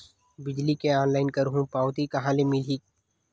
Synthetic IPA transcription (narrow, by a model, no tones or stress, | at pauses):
bɪd͡ʒlikeaːnlaːɪnkəɾɦũːpaːwt̪ikɐɦãːlemiliː